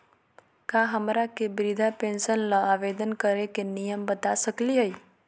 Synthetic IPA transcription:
kaɦəmɾakebɾid̪ʱapẽnsənlaaʋed̪ənkəɾekenijəmbət̪asəkliɦəj

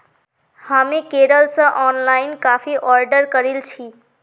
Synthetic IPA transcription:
hamekeɾəlsə̃ʔɔnlaɪinkafʰiʔɔɾɖəɾkəɾilt͡ʃʰi

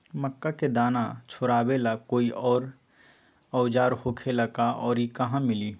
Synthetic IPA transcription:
məkːaked̪aːnat͡ʃʰoːɾaːbelakoːiʔɔːɾ | əʊd͡ʒaːɾhokʰelakaɔːɾikəɦãmɪliː

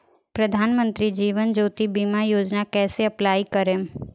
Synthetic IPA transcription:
pɾəd̪ʱaːnmə̃nt̪ɾid͡ʒiːʋənd͡ʒoːt̪ibimajoːd͡ʒnakɛːseɐplaːikəɾem

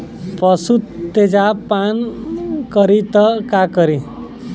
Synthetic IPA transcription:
pʌsut̪ːed͡ʒapankəɾit̪ʌkakəɾi

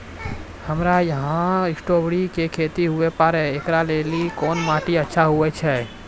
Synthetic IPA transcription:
həmɾajəɦãɾɪsʈoːbɽikekʰet̪iɦuepaɾɛekɾaleːlikoːnmaːʈiətːʃʰaɦuɛt͡ʃʰɛ

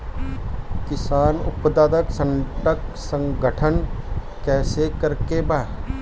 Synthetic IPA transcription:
kɪsaːnʊpd̪aːd̪əksə̃nʈəksə̃ŋɡʱəʈʰən | kɛːsekəɾkebaː

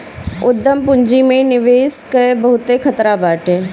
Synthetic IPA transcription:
ʊd̪ʱːəmpʊɲd͡ʒimẽnɪʋeːskɐebɐɦʊt̪ekʰɐt̪ɾabaːʈeː

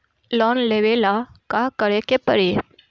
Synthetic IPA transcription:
lɔnleʋelakakəɽekepəɾe

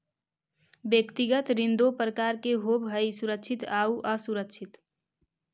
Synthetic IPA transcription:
bjəkt̪iɡət̪ɾind̪opɾəkaɾkeɦobʱɦəisuɾək̚t͡ʃʰit̪auʔəsuɾəkt͡ʃʰit̪

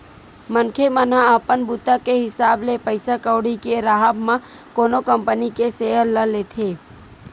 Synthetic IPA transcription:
mənkʰemənãəpənbut̪akeɦɪsaːblepəɪsakəʊɽikeɾaːɦəbmã | koːnokə̃mpənikeseːɦəlːəleːt̪ʰeː

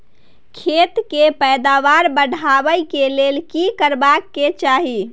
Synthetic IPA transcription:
kʰet̪kepəjd̪aʋaɾbəɖ̤ʱabəjkelelkikəɾbakːet͡ʃaɦi

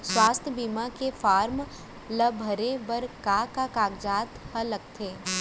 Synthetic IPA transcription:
swaːst̪ʰjəbiːmakefaːɾm | ləbʱəɾebəɾkakakaːɡd͡ʒaːt̪hələk̚t̪ʰeː

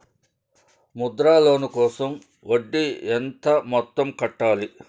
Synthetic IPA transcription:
mud̪ɾaːloːnukɔːsɐm | ʔoɖːient̪ɐmɔt̪ːɐmkɐʈːaːli

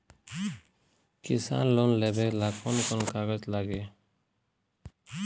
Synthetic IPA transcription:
kɪsa̰ːnloːnleːbeːklaːkʰoːnkonkaːɡət̪laːɡeː

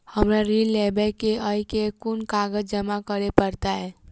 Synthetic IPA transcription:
həmɾaɾilːebɛkeəikekunkaɡəd͡ʒd͡ʒəmakəɾepəɾt̪aɦɛ

